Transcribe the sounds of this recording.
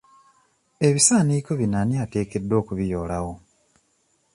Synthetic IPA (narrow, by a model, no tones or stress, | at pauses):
e̞βisaːniko̞βinaniate̞ːke̞dːo̞ːkuβijo̞ːlawo̞